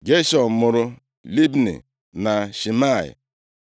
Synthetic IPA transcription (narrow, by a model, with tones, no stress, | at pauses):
ɡe˦ʃɔ˨m̩˨mʊ˨ɾʊ˦ | li˦bnḭ˨ | na˨ʃi˨ma˦˨ɪ̰˨